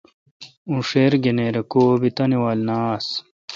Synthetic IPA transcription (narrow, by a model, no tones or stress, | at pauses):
ũʂeːɾɡeneɾekoːbit̪ɐniwaːlnaːs